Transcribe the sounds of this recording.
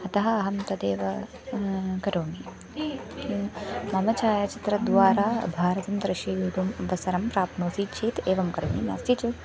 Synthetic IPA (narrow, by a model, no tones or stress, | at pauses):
ɐt̪ɐɦɐːɦɐmt̪ɐd̪eːʋɐ | kɐɾoːmi | mɐmɐt͡ʃaːjɐt͡ʃi̥t̪ɾɐd̪ʋaːɾaːbʱaːɾɐt̪ɐmd̪ɾɐʃiːjuːʈumʋɐsɐɾɐmpɾaːpnoːsiːt͡ʃʰiːt̪eːʋɐmkɐɾo̰ːmḭna̰ːsit͡ʃu